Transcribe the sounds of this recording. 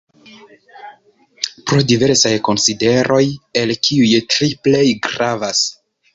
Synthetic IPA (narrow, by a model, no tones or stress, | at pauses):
pɾodive̞ɾsajko̞nside̞ɾʔo̞jelkiujtɾiple̞jɡɾavas